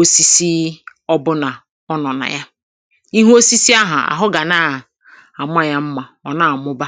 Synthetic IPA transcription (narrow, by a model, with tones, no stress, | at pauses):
o˦si˦si˦ | ɔ˦bʊ˦na˨ | ɔ˦nɔ˨na̰˨ja˦ | i˦ɦu˦o˦si˦si˦a˦ɦʊ˨a̰˨ɦʊ˦ɡa˨na˨ | a˨m˦a˦˨ja˦m̩˦ma˨ | ɔ˨na˨mʊ˦ba˦